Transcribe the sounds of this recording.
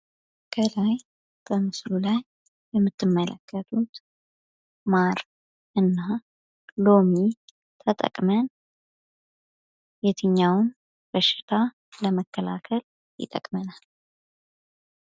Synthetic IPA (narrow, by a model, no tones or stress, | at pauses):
kʰəlaj | b̥əmɨslulaj | bɛmːɨt̪ːɨmːələ̰kʰːət̪ʰut̪ | maɾ | ʔɨnːa | lo̞mi | t̪ʰət̪ʼə̰kʼmən | jɛt̪ʰɨɲːawʊn | b̥əʃɪ̥t̪ʰa | ləməkʰːəla̰kʰəl | jɪ̰t̪ʼə̰kʼmənal